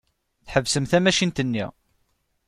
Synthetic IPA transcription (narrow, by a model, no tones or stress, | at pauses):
θħəvːsəmθæmæʃint̪ənːḭʁ